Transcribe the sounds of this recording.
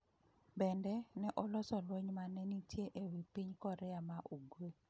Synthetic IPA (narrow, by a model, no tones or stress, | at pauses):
bɛndɛnɛʔɔlɔsɔlwoɲmanɛnitjeʔewipiɲkɔɾɛamaʔuɡwe